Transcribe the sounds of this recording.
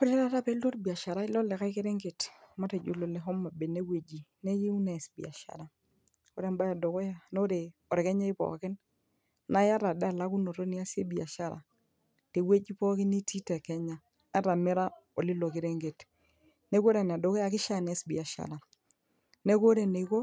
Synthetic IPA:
kɔ˦ɾe˦ɾa˦ɾa˦pɛ˦lo˦ɾbi˨a˨ʃa˨ɾa˦ɪ˦lɔ˦lɛ˨ka˦i˦ki˦ɾe˦ŋɡe˨tma˦te˨d͡ʒo˨lo˨le˨ɦɔ˦mːa˨be˨ne˦we˨d͡ʒi˨ne˦ji˦u˦nɛ˨sbḭ˨a̰˨ʃa̰˨ɾa˨ | ko˦ɾe˦mba˦ja˨do˨kɔ˦ja˦no˦ɾe˨ | ɔ˨ɾe˨kɛ˦ɲa˦ɪ˦pɔ̰˨˦kɪ˦n | na˦ja˦ɾa˨da˦˨la˦ku˦no˨ɾo˦ni˦a˦se˦bi˨a˨ʃa˦ɾa̰˨ | te˨we˦d͡ʒi˦pɔ˦kɪ˦ni˦tʰi˦tɛ˨kɛ˦ɲa˨ | a˦ɾa˨mɪ˦ɾa˦o˨lɪ˦lo˨kɪ˨ɾe˦ŋɡe˨t | ne˦ko˦ɾe˨n˨a˨do˨kɔ˦ja˨kɪ˦ʃa˦˨ne˨˦sbi˨a˨ʃa̰˨ɾa˨ | ne˦ko˦ɾe˨ne˨˦ko˦

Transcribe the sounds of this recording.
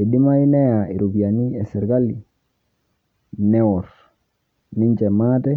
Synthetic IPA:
e˨ɗi˦ma˦i˦nɛ˦ja˨i˨ɾo˨bi˨a˨ni˦ɛ˨sɛ˨ɾɡa˦li˨ | nɛ˦wɔ˨ɾ | ni˦ɲd͡ʒɛ˨ma˦tɛ˦

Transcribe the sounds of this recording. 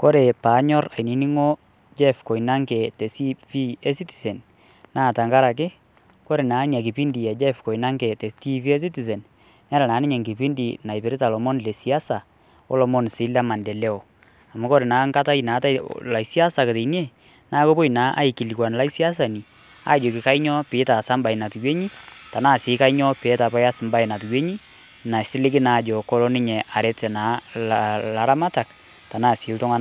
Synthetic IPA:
ko˦ɾe˨paː˨˦ɲɔ˦ra˨jni˨ni˦ŋɔ˦ | d͡ʒɛ˦fkɔ˨ina˦ŋkɛ˨tɛ˨si˦fi˦ɛ˦si˦ti̥˨sɛ˨n | naː˦˨ta˨ŋka˦ɾa˨k̬ɪ˦ | ko˦ɾe˨naː˨˦ɲa˨k̬ɪ˨pi˦ndi˨ɛ˨d͡ʒɛ˦fkɔ˨ina˦ŋkɛ˨tɛ˨sti˦fi˦ɛ˦s̬i˦ti˨s̬ɛ˨n | na˦ɾa˨naː˨˦nɪ˦ɲa˨ŋki˨pi˦ndi˨na˨jpɪ˨ɾɪ˦ta˨lɔ˨mɔ˦nle˨si˨a˦sa˨ | ɔ̰˦lɔ˨mɔ˦nsɪ˨˦la˦ma˨ndɛ˨lɛ˦ɔ˨ | a˨mu˦kɔ˦ɾe˨naː˨˦ŋka˦ta˦ina˨˦ta̰˦la˨˦si˦a˦sa˨ke˨te˨nje˦ | na˦ko˦po˦i˨na˨˦ʔa̰˦i˨ki˨li˨kwa˨nla˦si˦a˦s̬a˨ni˨ | a̰˨˦d͡ʒo˨kɪ˨ka˦i˦ɲɔ˦pɪː˨˦ta˨sa˦mba˨i˨na˨tu˨jwe˦ɲi˦ta˨na˦˨sɪ˨˦ka˦i˦ɲɔ˦peː˨˦ta˨pa˦ja˦sɪ˨mba˦jna˨tu˨jwe˦ɲi˦ | na˨sɪ˦lɪ˦k̬ɪ˦na˨d͡ʒɔ˨kɔ˦lɔ˦nɪ˦ɲɛ˨ʔa˨ɾɛ˦tɛ˨na˨˦ | la˨ɾa˦ma˦ta˨k | ta˨naː˦˨sɪ˨˦ltʊ˦ŋa˦n

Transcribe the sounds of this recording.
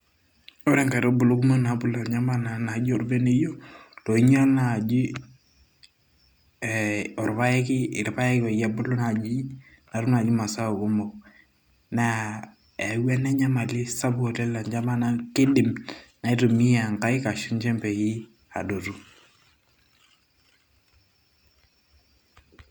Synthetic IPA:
ɔ˦ɾɛ˦ŋka˨ɾo˦bu˨lo˦ku˦mo˦na˨˦bu˦˨la˨ɲa˦ma˦na˨na˨d͡ʒi˦ɔ˨ɾbɛ˦ne˦jo˦tɔ˨i˦ɲ˦a˦na˨d͡ʒi˦˨ | ɔ˨ɾpa˦jɛ˦kɪ˦ɪ˨ɾpa˦jɛ˦kɔ˨ja˦bu˦lu˦na˨d͡ʒi˦ | na˨ɾu˦na˨d͡ʒi˦ma˨sa˦o˨ku˦mɔ˨k | na˦ | e˨˦wɛ˦nɛ˦ɲa˦ma˨li˦sa˦bo˨tɛ˦la˨ɲd͡ʒa˦ma˦na˦ki˦di˨mna˨i˦to˨mi˦ja˨ŋka˦i˦ka˨ʃu˦nt͡ʃɛ˦mpɛ˨ji˦ | a̰˨do˨tu˦

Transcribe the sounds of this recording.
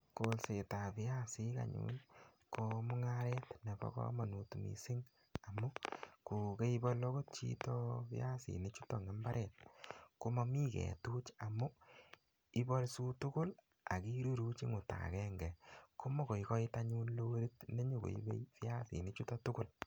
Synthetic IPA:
ko˨lse˨ta˨pɪ˦a˦si˨˦ka̰˨ɲṵn | kɔ˧mʊ˦ŋa˦ɾɛ˦tne˨bɔ̰˦kɔ̰˦ma˨nu˨tu˨mḭ˨sɪ˦ŋ | a˨mu˦ku˨ke˦i˦bɔ˦lo˦ko˦t̚t͡ʃḭ˦tɔ˦pɪ̰˦a˦sḭ˨ni˦t͡ʃu˦tɔ˨ŋɛ˨˦mba˦ɾʔɛ˨t̚ku˦mɔ˦mi˦kɛ̰˨tu˦t͡ʃa˨mu˦ | i˦bɔ˦lsu˦tʊ˦kʊ˦l | a˨ki˦ɾu˦ɾu˦t͡ʃi˦ŋʊ˨ta̰˨kɛ˦ŋɡɛ˨ko˦mɔ˦ko˨ikɔ˦i˦taɲu˦nlo˦ɾi˦tne˦ɲu˨ko̰˨ḭ˦bḛ˦pɪ˦a˦sḭ˨ni˦t͡ʃu˦tɔ˦tʊ˦kʊ˦l

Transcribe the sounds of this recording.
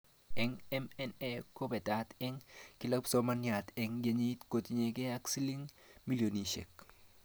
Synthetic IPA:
ɛ˨ŋɛ˦mɛnɛ˦ko˦be˨ta˨˦t̪ɛ˦ŋki˦la˦pso˦ma˦nja˨t̪ɛ˨ŋɡe˨˦ɲi˦t̪ko˨t̪i˨ɲe˨ke˦a˦ksi˦li˦ŋ | mi˦ljo˨ni˨ʃḛ˨k

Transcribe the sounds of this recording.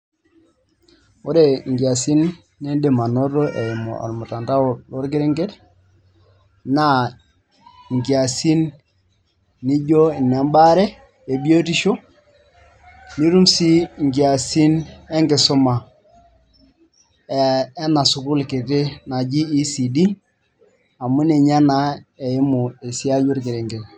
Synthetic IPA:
o˦ɾe˨ŋ˨ɡja˨si˦nː | i˦de˨ma˨nɔ˦ɾo˦ʔɛ˨i˨mɔ̰˨ʔɔ̰˨ɾmu˨ta˨nta˦˨lo˦ɾkɪ˦ɾe˦ŋɡe˦t | na˦˨ | ŋɡa˨si˦n | i˦d͡ʒo˦˨nɛ˨˦mba˦ɾɛ˦ | e˨bi˦o˦ti˦ʃo˦ | ni˦ɾu˦msi˦ŋɡi˨a˨si˦nɛ˦ŋɡɪ˨sʊ˦ma˨˦ | na˨sʊ˨kʊ˦lke˨te˦na˨d͡ʒi˦i˦si˨di˦ | a˨mu˦ne˨ɲa˦na˦e˨i˦mu˨e˨si˦a˦d͡ʒu˦ɾkɪ˨ɾe˨ŋɡɛ˨t

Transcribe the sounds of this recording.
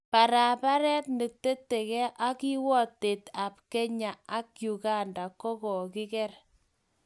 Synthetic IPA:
pa˨ɾa˨pa˦ɾɛ˦tne˨te˦te˨kɛ˦ʔa˦ki˦wɔ˦te˨ta˨p̚ke˦ɲa˨a˦kju˨ɡa˦nda˨kɔ˦kɔ˨kɪ˦kɛ˦r

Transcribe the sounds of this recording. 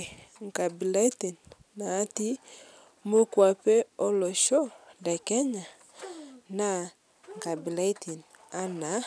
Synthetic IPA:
ŋ˨ka˨bi˨la˦ti˨n | na˨˦ti˦ | mo˦kwa˨pe˦o˦lɔ˨ʃo˦ndɛ˨kɛ˦ɲa˨ | na˦˨ | ŋ˨ka˨bi˨la˦ti˨n | a˦na˨˦

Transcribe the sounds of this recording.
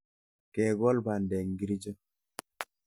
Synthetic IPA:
kɛ˨ɡɔ˦lba˨ndɛ˨ŋɡi˦ɾi˦d͡ʒə˦

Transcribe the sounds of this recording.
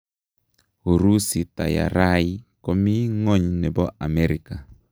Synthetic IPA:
o˨ɾu˦si˨ta̰˨ja̰˨ɾa˦ji˦kɔ˦mi˦ŋɔ˦ɲnɛ˨bɔ˦a˨mɛ˦ɾi˨ka˨

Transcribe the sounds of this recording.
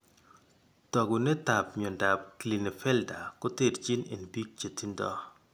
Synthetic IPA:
tɔ˨ɡu˨ne˦ta˨p̚ɲɔ˨nda˨p̚kli˨ne˨fɛ˦lda˨kɔ˦te˦˨dt͡ʃi˦nḛ˨nbi˦k̚t͡ʃe˨ti˦ndɔ̰˦

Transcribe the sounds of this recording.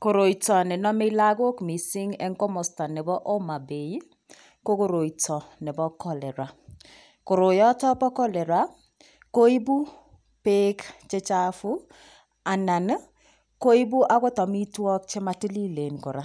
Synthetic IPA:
ko˨ɾo˨i˨tɔ˨nɛ˨nɔ˦me˦la˦ɡo˦kmi˨sɪ˦ŋɛ˦ŋkɔ˦mɔ˨sta˨nɛ˨bɔ˦ʔo˦ma˨be˨˦ | ko˦ko˦ɾo˨i˨tɔ˨nɛ˨bɔ˦kɔ˦lɛ˨ɾwa˨ | ko˨ɾo˨jɔ˦tɔ˦pɔ˦kɔ˦lɛ˨ɾwa˦ | ko˦i˦bu˦ | pe˦kt͡ʃe˦t͡ʃa˦fu˦ | a˨na˨n˦ | ko˦i˦bu˦ʔa˦ko˦tɔ˨mi˦twɔ˦k̚t͡ʃe˦ma˦ti˦li˦le˨nko˨ɾa˦

